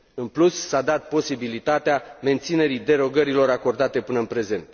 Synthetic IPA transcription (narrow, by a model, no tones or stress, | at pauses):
ɨnplusːad̪at̪̚po̞sibilit̪at̪eame̞nt̪sine̞ɾid̪e̞ɾo̞ɡəɾilo̞ɾako̞rd̪at̪e̞pɨnəɨnpɾe̞ze̞nt̪